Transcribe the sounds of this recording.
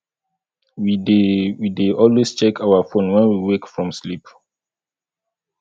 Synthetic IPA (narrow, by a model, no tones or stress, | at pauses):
widwideʔɔlwest͡ʃɛkʰawafõnwɛ̃nwiwekfɹɔ̃mslip